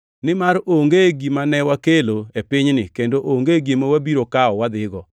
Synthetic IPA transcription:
nɪmaɾoŋɡeɡimanɛwakeloepɪɲnɪkendoʔoŋɡeɡemawabiɾokaɔwad̪ɪɡɔ

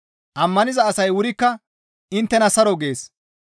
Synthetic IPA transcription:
ʔɐmːɐnɪzɐːsɐjwʊɾɪkːɐ | ɪnt̪ːɛnɐsɐɾɔɡe̞ːs

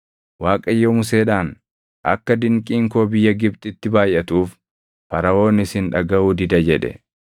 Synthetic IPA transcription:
waːkʼɐjːoːmʊseːᶑaːn | ʔɐ̰kːɐd̪ɪŋkʼiːŋko̞ːbɪjːɐɡɪbt̪ɪt̪ːɪbaːjʔɐt̪uːf | pɐɾɐwo̞ːnɪsɪnᶑɐɡɐʔuːd̪ɪd̪ɐd͡ʒɛᶑɛ̰

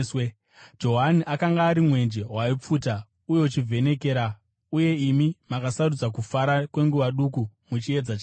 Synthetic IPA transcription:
w | d͡ʒo̞ɦaniʔakaŋɡaːɾimwe̞nd͡ʒe̞ɦwaip͡fuːta | ujo̞ut͡ʃivʱe̞ne̞ke̞ːɾa | uje̞imimakasarud͡zakufaɾakwe̞ŋɡuʋaɗukumut͡ʃie̞d͡zat͡ʃa

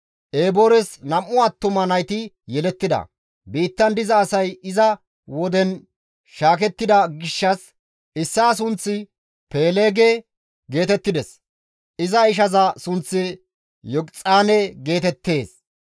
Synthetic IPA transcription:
ʔeːboːɾɛsnɐmʔʊɐt̪ːʊmɐnɐjt̪ɪ | jɛlɛt̪ːɪd̪ɐ̰ | biːt̪ːɐnd̪ɪzɐːsɐjɪzɐ | wɔd̪ɛn | ʃaːkɛt̪ːɪd̪ɐɡɪʃːɐs | ɪsːaːs̬ʊnt͡sːɪ | pe̞ːleːɡe | ɡe̞ːt̪ɛt̪ːɪd̪ɛs | ʔɪzɐɪʃ̬ɐzɐsʊnt͡sːɪ | jɔkt͡sʼaːnɛɡe̞ːt̪ɛt̪ːe̞ːs

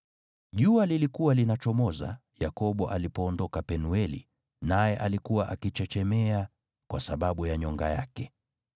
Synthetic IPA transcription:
ʄualilikuwalinat͡ʃɔmɔza̰ | jakɔɓɔʔalipɔːndɔkapɛnuɛlḭ | najɛʔalikuwaʔakit͡ʃɛt͡ʃɛmɛa | kwasaɓaɓujaɲɔŋɡa̰jakɛ

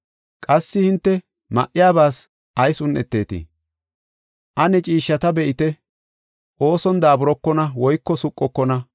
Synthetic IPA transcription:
kʼɐsːɪhɪnt̪ːɛ | mɐ̰ʔɪjaːbaːs | ʔɐjsʊnʔɛt̪ːe̞ːt̪ɪ̰ | ʔɐnɛt͡ʃʼiːʃːɐt̪ɐbɛʔɪt̪ɛ | ʔo̞ːsɔnd̪aːbʊɾɔkːɔnɐwɔjkːɔsʊkʼːɔkːɔnɐ

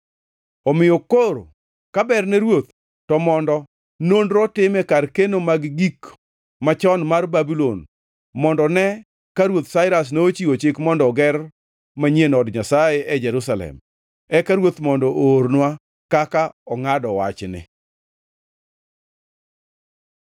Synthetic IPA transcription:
ɔmɪjokoɾo | kabɛrnɛɾwot̪̚ | tɔmɔndɔ | nondɾɔtɪmɛkarkenomaɡɡik | mat͡ʃɔnmarbabilon | mɔndɔnɛ | kaɾwot̪saɪɾas̬noot͡ʃiot͡ʃɪkmɔndɔɡɛr | maɲjenɔdɲasajeʔɛd͡ʒɛɾusalɛ̰m | ɛkaɾwot̪mɔndɔʔoɾnwa | kakaɔŋadɔwa̰t͡ʃnɪ̰

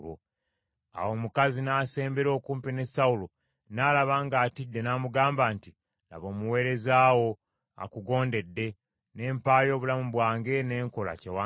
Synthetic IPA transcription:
o̰ | a̰wo̞mukazinaːse̞ːmbeɾo̞ːkuːmpine̞saulo | naːlaβaːŋɡaːtidːe̞naːmuɡaːmbaːnti | la̰βo̞ːmuwe̞ːɾe̞zaːwo̞ | a̰kuɡo̞ːnde̞dːe̞ | ne̞ːmpaːjo̞ːβulamuβwaːŋɡe̞ne̞ːŋko̞la̰cewa

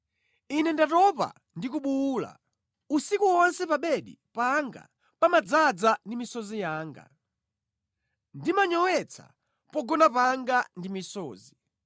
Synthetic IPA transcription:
inɛndatɔpa̰ | ndik̬uɓuuːla̰ | usikuwɔnsɛpaɓɛɗḭpaŋɡa̰ | pamad͡zad͡zandimisɔzijaːŋɡa̰ | ndimaɲɔwɛt͡sʰa̰ | pɔɡɔnapaŋɡandimisɔːzi

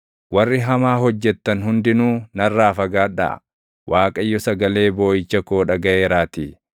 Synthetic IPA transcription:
wɐrːɪɦɐmaːɦɔd͡ʒːɛt̪ːɐnhʊnd̪ɪnuːnɐrːaːfɐɡaːᶑɐ̰ʔɐ̰ | wʔaːkʼɐjːɔsɐɡɐle̞ːbo̞ːjɪt͡ʃːɐko̞ːᶑɐɡɐʔeːɾaːt̪i

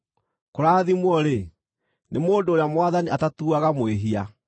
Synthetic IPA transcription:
koɾaːðimwɔɾe | nemoːndoːɾejamwaðaniatatuaɣamweɦia

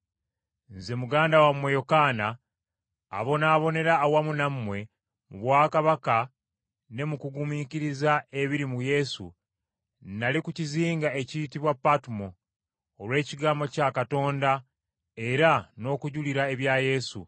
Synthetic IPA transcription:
nze̞muɡaːndawamwe̞jokaːna̰ː | βo̞naːβo̞ne̞ɾaːwamunamːwe̞ | muβwaːkaβaka | ne̞mukuɡumiːciɾizae̞βiɾimuje̞sṵ | nalikuciziːŋɡae̞citiβwapːatumo̞ː | lwe̞ːciɡaːmbo̞cakato̞ːnda | e̞ɾano̞ːkuɟuliɾae̞βjaje̞sṵ

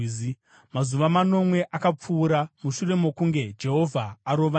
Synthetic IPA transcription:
i | mazuʋamano̞mwe̞ʔakap͡fuːɾamuʂure̞mo̞kuŋɡe̞d͡ʒe̞ɦo̞vʱaːɾo̞ʋa

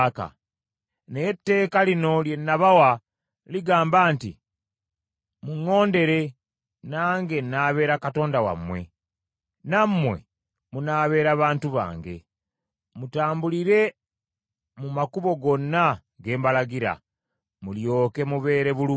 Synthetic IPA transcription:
ka̰ | nejetːe̞ːkalino̞lje̞nːaβawa | liɡaːmbaːntḭ | muŋːo̞ːnde̞ɾe̞ | naːŋɡe̞nːaːβe̞ːɾakato̞ːndawa̰mːwe̞̰ | nammːwe̞̰ | munaːβe̞ːɾaβaːntuβa̰ːŋɡe̞̰ | mutaːmbuliɾe̞ | mumakuβo̞ɡo̞nːa | ɡe̞ːmbalaɡiɾa̰ | muljo̞ːke̞muβe̞ːɾe̞βulu

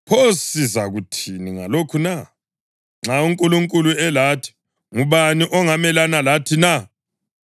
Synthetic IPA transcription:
pʰosizaɣutʰiniŋa̰lokʰuna | ŋ͡ǁʱauŋkʼuluŋkʼuluɛlatʰi̥ | ŋuβaniʔɔŋamɛlanalatʰina

